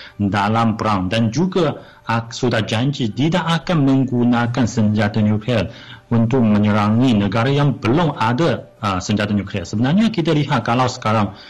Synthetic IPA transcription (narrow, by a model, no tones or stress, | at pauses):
dalampəɾandand͡ʒuɡa | asudad͡ʒaɲd͡ʒit̪idaʔakanmə̃ŋɡunakansəɲd͡ʒat̪anjukliɛl | unt̪ʊk̚mə̃ɲəɾaŋinəɡaɾajaŋbəlʊŋada | əsəɲd͡ʒat̪anukliasəbənarɲakit̪aliɦat̪̚kalawsə̥kaɾaŋ